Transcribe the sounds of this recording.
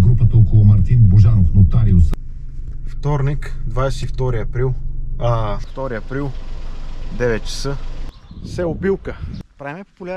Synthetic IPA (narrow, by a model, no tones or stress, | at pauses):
ɡɾupət̪əɔkʊlˠʊmɐɾt̪inboʒanofnot̪aɾiʊs | ft̪ɔɾnikd̪vajsɛt̪ift̪ɔɾiɐpɾilˠ | ft̪ɔɾiɐpɾilˠ | d̪ɛvɛt̪̚t͡ʃɛ̥sə | sɛʊbilˠkəpaplʲ